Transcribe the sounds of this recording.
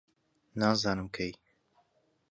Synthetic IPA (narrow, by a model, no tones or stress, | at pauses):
naːzaːnɨmkʰej